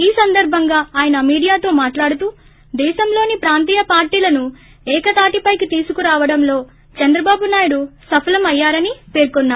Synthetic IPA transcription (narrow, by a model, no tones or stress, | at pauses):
iːsɐnd̪ɐɾbʱɐŋɡaːaːjɐnɐmiːɽijaːt̪o̞ːmaːʈlaːɽut̪uː | d̪ɛːʃɐmlo̞ːnipɾaːnt̪iːjɐpaːɾʈiːlɐnu | ɛːkɐt̪aːʈipɐjkit̪iːsukuɾaːʋɐɽɐmlo̞ː | t͡ʃɐnd̪ɾɐbaːbunaːjuɽusɐpʰɐlɐmɐjːaːɾɐnipe̞ːɾkonːaːɾu